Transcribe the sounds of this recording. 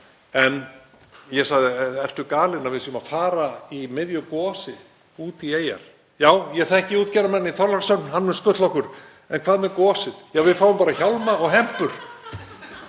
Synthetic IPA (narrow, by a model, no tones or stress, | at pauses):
ɛn | jɛsaɣðɪɛr̥t̪ʏkaːlɪnavɪðsiʏmafaːɾaimɪðjʏkɔːsɪ | uːt̪ieːja̰ɾ̥ | jaːwjɛɣθɛhcɪuːt̪cɛːɾamɛnːɪiθʰɔɾlaɾsœnhanːmɛnskʏt̪lɔhkʏɾ̥ | ɛnkʰv̥aːðmɛɾkɔːsɪðjɛvɪðfaːwʏmpaːɾaçawlmaɔɣɦɛm̥pʏɾ̥